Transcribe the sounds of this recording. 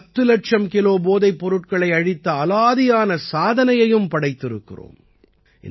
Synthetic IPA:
t̪ːɯlɐʈt͡ʃɐmkɪloːboːðɐɪpːɔɾɯʈ̚kɐɭɐɪɐɻɪt̪ːɐːlaːðɪjaːnɐsaːðɐnɐjɐjɯmpɐɽɐɪt̪ːɪɾɯ̰kːɪ̰ro̰ːm | ʔɪ̰

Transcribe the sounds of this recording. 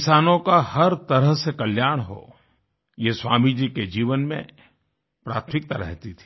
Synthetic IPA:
kɪsaːnõkahɐɾt̪ɐɾəɦsekɐljaːɽ̃ɦo̰ː | jeswaːmid͡ʒiked͡ʒiːʋənmḛ̃ | pɾaːt̪ʰmɪk̚t̪aɾɛ̰ɦt̪it̪ʰi̥

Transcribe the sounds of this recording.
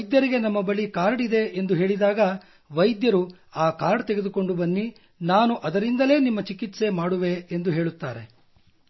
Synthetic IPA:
ɐjd̪jɐɾiɡe̞nɐmːɐbɐɭikaːɾɖid̪e̞ʔend̪uɦe̞ːɭid̪aːɡɐ | ʋɐjd̪jɐɾu | aːkaːɾɖt̪eɡe̞d̪uko̞ɳɖubɐnːi | naːnuʔɐd̪ɐɾind̪ɐle̞ːnimːɐt͡ʃikit̪se̞maːɽuʋe̞ːnd̪uɦe̞ːɭut̪ːaːɾe̞

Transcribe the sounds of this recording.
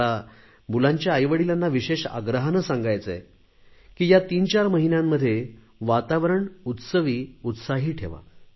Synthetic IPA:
a | bulãɲt͡ɕjaəjʋəɽilanːaʋiɕeɕa̰ɡɾəɦanəsãŋɡajt͡səe | kiːjat̪iːnt͡ɕaɾməɦinjamːəd̪ʱːje | ʋat̪aʋəɾəɳut̪səʋiːut̪saɦiːʈʰeʋa̰

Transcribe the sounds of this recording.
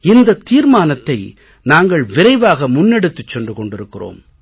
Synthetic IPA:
ɪnd̪ɐt̪ːiːɾmaːnɐt̪ːɐɪ | naːŋɡɐɭʋɪɾɐɪʋaːɣɐmʊnːɛɽɯt̪ːɯt͡ʃːɛɳɖɯkɔɳɖɪɾɯkːɪro̰ːm

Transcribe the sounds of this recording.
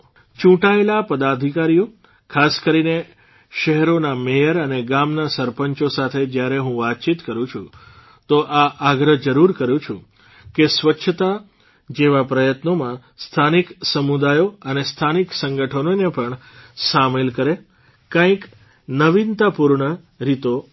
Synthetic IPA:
t͡ʃũʈaelapəd̪ad̪ʱikaɾijo | kʰaskəɾine | ʃɛɦɛɾonamejəɾəneɡamnasəɾpəɲt͡ʃosat̪ʰed͡ʒjaɾeɦũʋat̪̚t͡ʃit̪kəɾũt͡ʃʰũ | t̪oʔaʔaɡɾəd͡ʒəɾuɾkəɾjũt͡ʃʰũ | kesʋətːʃʰət̪a | d͡ʒeʋapɾəjət̪nomã | st̪ʰaniksəmud̪ajoənest̪ʰaniksəŋɡəʈʰənonepəɳ | samelkəɾe | kãk | nəʋint̪apuɾɳə | ɾit̪o

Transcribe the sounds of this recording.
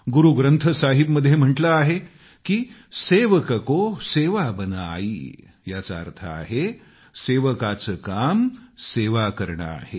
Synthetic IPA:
ɡuɾuɡɾənt̪ʰəsaɦibməd̪ʱjem̤əɳʈləaɦe | kiːseʋəkəkoseʋabənaḭ | jat͡sa̰ːɾt̪ʰa̰a̰ɦe | seʋəkat͡səkamseʋakəɾɳa̰a̰ɦe

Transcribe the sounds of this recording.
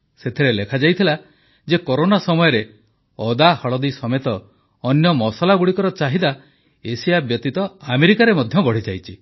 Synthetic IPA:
set̪ʰiɾelekʰad͡ʒajt̪ʰila | d͡ʒekoɾonasɔmɔjɔɾe | ɔd̪ahɔɭɔd̪isɔmet̪ɔː | njɔmɔsalaɡuɽikɔɾɔt͡ʃaɦid̪a | esijabjɔt̪it̪ɔameɾikaɾemɔd̪ʱjɔbɔɽit͡ʃajt͡ʃʰi

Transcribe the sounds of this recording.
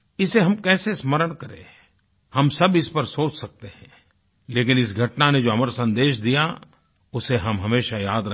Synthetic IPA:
ɪseɦɐmkɛːsesməɾəɽ̃kɐɾḛ̃ː | hɐmsɐbɪspɐɾsoːt͡ʃsɐk̚t̪eɦɛ̃ː | leːkɪnɪsɡʱɐʈnaned͡ʒoːɐməɾsɐ̃nd̪eːʃd̪ija | ʊseɦɐmɦɐmeːʃajaːd̪ɾɐ

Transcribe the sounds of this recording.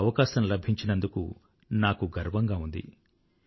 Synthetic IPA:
ɐʋɐkaːʃɐmlɐbʱiɲt͡ʃinɐnd̪ukṵ | naːkuɡɐɾʋɐŋɡaːund̪ḭ

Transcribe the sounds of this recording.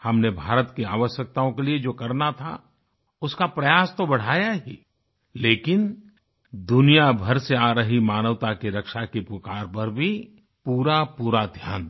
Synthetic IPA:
hɐmnebʱaːɾət̪kiaːʋəʃjək̚t̪aõkelied͡ʒoːkɐɾnat̪ʰa̰ | ʊskapɾɐjaːst̪obɐɽ̤aːjaɦiː | leːkɪn | d̪ʊnijabʱɐɾseaːɾəɦimaːnəʋt̪akeɾɐkʃakipʊkaːɾpɐɾbʱi | puːɾapuːɾad̪ʱja̰ːn

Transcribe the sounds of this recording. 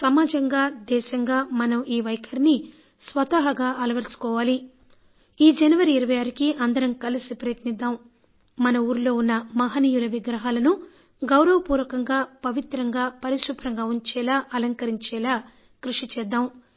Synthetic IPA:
sɐmaːd͡ʒɐŋɡaːd̪ɛːʃɐŋɡaːmɐnɐmiːʋɐjkʰɐɾini | sʋɐt̪aːɦɐɡaːʔɐlɐʋɐɾsu̥kɔːʋaːli | iːd͡ʒɐnɐʋɐɾiːɾɐʋɐjaːɾikiʔɐnd̪ɐɾɐmkɐlisipɾɐjɐt̪nid̪ːaːm | mɐnɐuːɾulo̞ːunːɐmɐɦɐniːjulɐʋiɡɾɐɦaːlɐnu | ɡɐwɾɐʋɐpuːɾʋɐkɐŋɡaːpɐʋit̪ɾɐŋɡaːpɐɾiʃupʰɾɐŋɡaːuɲt͡ʃɛːlaːʔɐlɐŋkɐɾiɲt͡ʃɛːlaː | kɾuʂit͡ʃɛːd̪ːaːm

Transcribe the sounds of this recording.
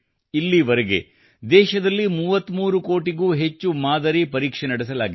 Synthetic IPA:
ilːiʋɐɾeɡe̞̰ | d̪ɛːʃɐd̪ɐlːimuːʋɐt̪ːmuːɾukoːʈiɡuːɦet͡ʃːumaːd̪ɐɾipɐɾiːkʂenɐɽɛs̬ɐlaːɡi

